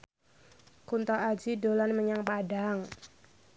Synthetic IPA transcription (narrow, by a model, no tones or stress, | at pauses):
kunt̪ɔʔad͡ʒidolanməɲaŋpadaŋ